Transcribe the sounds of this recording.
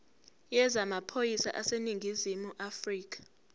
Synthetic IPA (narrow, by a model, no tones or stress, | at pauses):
jɛzamapʰojisa̰ʔaseniŋɡʱizimuʔafriːk̬ʼḁ